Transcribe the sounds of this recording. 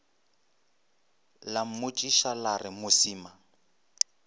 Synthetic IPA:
lam̩mʊt͡ʃʼiʃalarɪmʊsiːma

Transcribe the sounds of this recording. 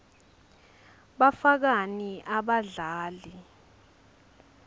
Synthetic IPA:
ɓafak̬aniʔaɓaɮaːli

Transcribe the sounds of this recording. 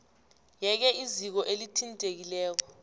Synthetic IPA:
jɛk̬ɛʔizik̬ɔʔelitʰintʼek̬ilɛːk̬ɔ

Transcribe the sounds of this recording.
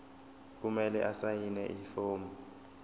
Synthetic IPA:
k̬umɛlɛʔasajinɛ̰ʔifoːmɔ

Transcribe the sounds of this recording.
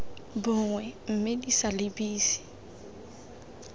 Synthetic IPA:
bʊŋwɛm̩mɪdisalɪbiːsi̥

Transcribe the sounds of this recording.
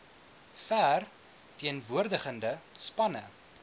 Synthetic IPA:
fær | tiənvuərdəχəndəspɐnə

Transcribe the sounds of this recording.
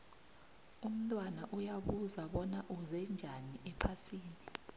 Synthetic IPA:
um̩tʼwanaʔujaɓuzaɓɔnaʔuzɛnd͡ʒʱaniʔɛpʰasiːni

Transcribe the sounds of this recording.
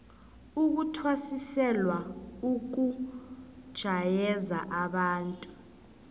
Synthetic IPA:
uk̬utʰwasisɛlwauk̬u | d̥ʒ̥ʱajɛzaʔaɓaːntʼu

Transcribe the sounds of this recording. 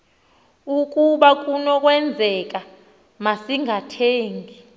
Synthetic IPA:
ukʼuɓak̬ʼunɔk̬ʼwɛnd͡zʱɛk̬ʼa | masiŋʱatʰeːŋɡʱi

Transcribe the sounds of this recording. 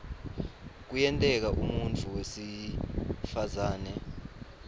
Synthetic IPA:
k̬ujɛntʼɛk̬aʔumunt͡fʰuwesi | fazaːnɛ

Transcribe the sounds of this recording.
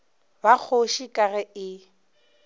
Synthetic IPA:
bak͡xʰoʃikʼarɛɪ

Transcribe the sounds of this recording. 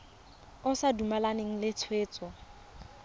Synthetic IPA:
ʊsadumalaneŋ̩lɪt͡sʰweːt͡sʼɔ

